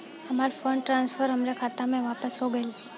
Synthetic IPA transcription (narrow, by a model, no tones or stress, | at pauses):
əmaɾfəɳʈɾãnsfəɾəmɾekʰat̪amẽʋapəsɦoɡəel